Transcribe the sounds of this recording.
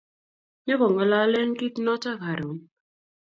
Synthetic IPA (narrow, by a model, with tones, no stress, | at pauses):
ɲe˦kɔ˨ŋɔ˨la˦le˦ŋ˦ki˦tnɔ˦t͡ʃa˦ka˨ɾo˨˦n